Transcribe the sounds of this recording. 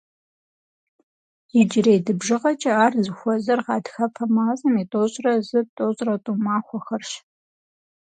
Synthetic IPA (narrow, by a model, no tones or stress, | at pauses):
jid͡ʒɪrejdɨbʒɨʁɐt͡ʃʼɐaːrzɨxʷɔzɐrʁɑːdxɐpʰɐmaːzɐmitʼoɕʼrɐzɨtʼoːɕʼrɐtʼumaːxʷɔxɐrʃ